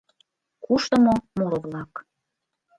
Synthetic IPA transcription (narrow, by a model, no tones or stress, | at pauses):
kuʃt̪əmomoɾoβlɑk